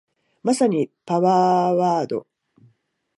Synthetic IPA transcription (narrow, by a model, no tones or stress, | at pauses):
masaɲ̟ipaβaːβaːd̪o̞̰